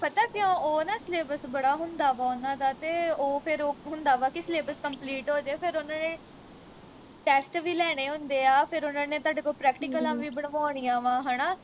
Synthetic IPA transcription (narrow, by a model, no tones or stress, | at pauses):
pət̪aːkɪãːoːnãːsleːbəsbəɽaːɦʊnd̪aːʋaːʊnãːd̪aːt̪eːoːpʰɪɾoːɦʊ̃nd̪aːʋaːkɪsleːbəskəmpliːʈɦoːd͡ʒeeːpʰɪɾʊnãːnẽː | ʈɛːsʈʋiːlɛːɽ̃eːɦʊnd̪eːaːpʰɪɾʊnãːneːt̪aːɖeːkoːpɾɛːkʈɪkəlãːʋiːbəɽʋaːɽ̃ijãːʋãːɦənaː